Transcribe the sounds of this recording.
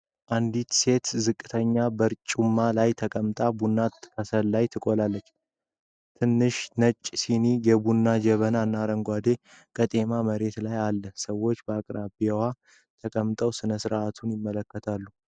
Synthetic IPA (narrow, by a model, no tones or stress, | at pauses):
ʔand̪it̪se̞t̪zɨkʼːɨt̪ʰəɲːabəɾt͡ʃʼumːalajt̪ʰəkʼəmt̪ʼabunːat̪ɨ̥kʰəsəllajt̪ʰɨkʼolalːət͡ʃː | t̪ʰɨnːɨʃnət͡ʃʼːsinijɛbunːad͡ʒɛβənanːaɾəŋɡʷad̪e̞ | kʼət̪ʼe̞maməɾe̞t̪lajalːəsəwo̞t͡ʃːbəakʼɾabwa | t̪ʰəkʼəmt̪ʼəwsɨnəsɨɾʔat̪ʰunjɪmːələkːət̪ʰalːu